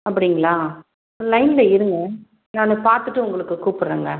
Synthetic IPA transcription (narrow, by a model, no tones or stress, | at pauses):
ɐpːɐɽɪŋɡɐɭaː | lɐɪnlɐɪɾɯŋɡɐ | naːnɯ̃paːɾt̪ɯʈːɯʊŋɡɐɭɯkːɯkuːpɯɾːeːŋɡɐ